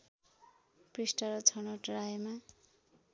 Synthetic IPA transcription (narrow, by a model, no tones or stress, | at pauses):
prisʈʌɾʌt͡sʰʌnoʈɾajema